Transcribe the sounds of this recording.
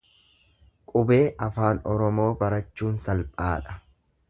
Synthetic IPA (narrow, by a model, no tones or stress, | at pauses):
kʼʊbe̞ːʔɐfaːnɔɾɔmo̞ːbɐɾɐt͡ʃːuːnsɐlpʼaːᶑɐ̥